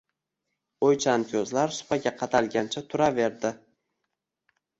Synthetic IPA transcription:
ojt͡ʃʰankʰʲozlaɾsʊ̥paɡʲaqʰɑt̪ʰalɡʲant͡ʃʰat̪ʰʊɾave̞ɾd̪ɪ

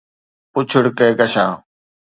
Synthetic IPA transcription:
ʊt͡ʃʰəɽkeːɡəʃãː

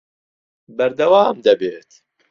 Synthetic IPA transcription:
bɐɾd̪ɐwaːmd̪ɐbeːt̪

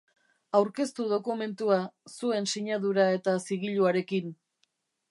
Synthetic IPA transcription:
awɾke̞st̪uð̞o̞kume̞nt̪uasue̞nsiɲaðuɾae̞t̪asiɣ̞iʎuaɾe̞kin

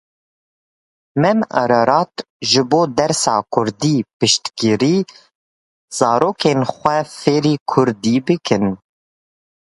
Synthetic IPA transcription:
mɛmɛ̰ɾaɾɑːt̪ | ʒɨboːd̪ɛɾsɑ̰ːkʰʊɾd̪iːpɨʃt̪kiɾiː | z̥ɑːɾoːkʰeːnxʷɛfeːɾiːkʰʊɾd̪iːbɨkʰɨn

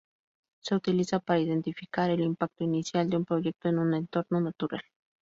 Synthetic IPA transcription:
seut̪ilisapaɾaiðent̪ifikaɾelimpak̚t̪oinisjald̪eumpɾojek̚t̪oenunent̪oɾnonat̪uɾa̰l

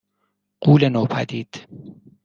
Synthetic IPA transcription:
ɢ̥uːlenoːpʰæd̪iːd̪̥

